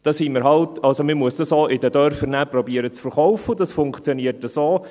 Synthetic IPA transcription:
d̥ɑsimɪɾɦɑltɑlsomɪmuəsd̥ɑsoʔɪdəd̪œɾfəɾnæprɔbiəɾət͡sfəɾχɔwfəd̪ɑsfʊŋkχt͡sjoniərtəsoː

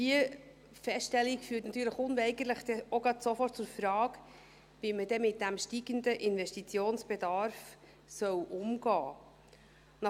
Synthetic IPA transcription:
d̥iə | fɛstʃtɛlːikfyːtnɑtyːɾləχʊnvɛɪɡələχd̥ɛoɡɾɑdsofɔrt̚t͡sʊɾfɾɑːk | vimədɛmɪt̚d̥æmʃtiɡənd̪əʔɪnvɛʃtit͡sjoːnsb̥ɛdɑɾf | sœwʔʊmɡ̥ɑː | nɑ

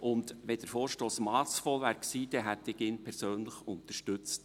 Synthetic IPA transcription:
ʔʊndʋɛd̥əɾfoːɾʃtoːsmɑːsfoːʋæːɾksiːd̥̪ɛɦæt̪ːɪɡɪnpʰɛɾsøːnləχʊnt̪əʃtʉt͡st

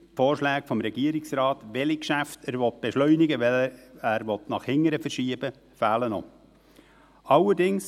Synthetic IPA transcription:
foːɾʃlæːɡfɔmɾɛɡ̥iəɾɪksɾɑːtʋɛlikʃæftʰæːɾʋɔt̚b̥ɛʃlœʏnɪɡəʋɛæːɾʋɔt̪nɑχhɪŋːəɾəfəɾʃiːəb̥ə | fæːlənɔ̰ | ɑləɾdɪŋs

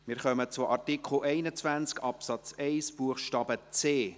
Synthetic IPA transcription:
mɪːɾχœmət͡sʊʔɑrtikχl̩ʔɛɪnət͡svænt͡skʰɑpsɑt͡sɛɪsb̥uəχʃtɑːbət͡seː

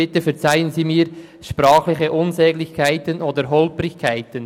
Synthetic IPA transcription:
ɪtəfɛʁt͡saɪənziːmiːɾ | ʃpɾaːχlɪçəʔʊnzɛːɡlɪçkʰaɪtənʔoːdəɾɦɔlprɪçkʰaɪtən

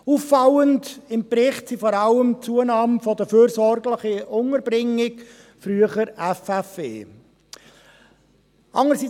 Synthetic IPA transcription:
uːfːɑwəndɪmpɾɪχtsifɔɾɑləmt͡suənɑːmfod̥əfyːɾsɔɾɡlɪχəʊŋəɾbɾɪŋɪk | fɾyəχəɾɛfɛfḛː | ʔɑŋəɾsi

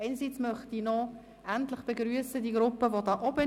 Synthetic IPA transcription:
ɛɪnəsit͡smœχtinɔ | ʔæntlɪχb̥eɡɾyəsədiɡɾʊpəvodɑːʔɔbə

